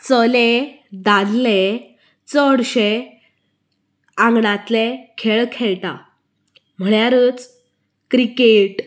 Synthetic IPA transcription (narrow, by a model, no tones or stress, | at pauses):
t͡səle | d̪ad̪le | t͡səɽɕe | ãŋɡɳãt̪lekʰeɭkʰeɭt̪a̰ | m̤əɳjaɾət͡s | kɾikeʈ